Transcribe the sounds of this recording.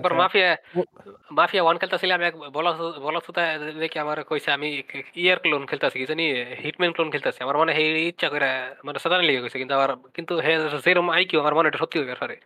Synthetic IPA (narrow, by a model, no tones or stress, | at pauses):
baɾmapʰija | mapʰijawankʰelt̪easilamiɛkbɔlɔbɔlɔt̪sut̪ad̪ekʰiamaɾekojsɛamiiaɾklonkʰelt̪easikisanihiʈmenklonkʰelt̪asiamaɾmɔneɦeitːʃʰakojɾamanɛsɛt̪aneliɡekojsakint̪uaaɾkint̪uɦezeɾomajkiuamaɾmɔneʈuʃɔt̪ːiɦojbaɾpʰaɾe